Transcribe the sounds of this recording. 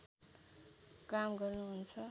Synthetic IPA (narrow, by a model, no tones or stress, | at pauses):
kamɡʌrnuɦunt͡sʰʌ